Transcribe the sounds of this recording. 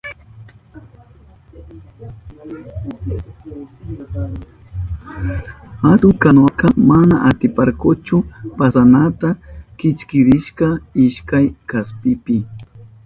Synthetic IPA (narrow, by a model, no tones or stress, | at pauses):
ad̪ʊkanokamanaʔat̪ɪpaɾkʊt͡ʃʊpasanat̪akɪt͡ʃkɪɾɪʃkaɪʃkajkaspɪpɪ